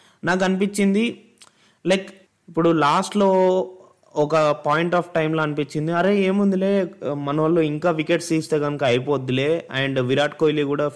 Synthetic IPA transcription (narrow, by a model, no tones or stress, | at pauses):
naːk̬ɐnipit͡ʃːind̪i | lɐjk | ipːuɽulaːsʈloː | ɔkɐpaːjiɳʈaːpʰʈɐjmlo̞ːɐnipit͡ʃːind̪iɐɾeːeːmund̪ule̞ːmɐnɐʋɐlːoːiŋkaːʋikeʈsiːst̪eːkɐnukɐɐjpoːd̪ːile̞ːɐɳɖʋiɾaːʈ̚koːjlikuːɽaː